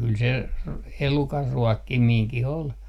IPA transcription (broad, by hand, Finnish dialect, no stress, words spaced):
kyl se r elukɑr ruɔkːimiːŋkih ol